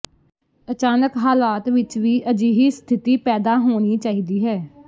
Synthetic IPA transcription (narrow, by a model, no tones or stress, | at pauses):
ət͡ʃaːnəkɦaːlaːt̪ʋɪt͡ʃʋiːʔəd͡ʒiːɦiːst̪ʰɪt̪iːpɛːd̪aːɦoːɽ̃iːt͡ʃaːiːd̪iːɦɛː